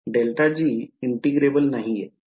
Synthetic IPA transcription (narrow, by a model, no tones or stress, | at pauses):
ɖelʈʰad͡ʑiːiɳʈiɡɾebəlnaɦije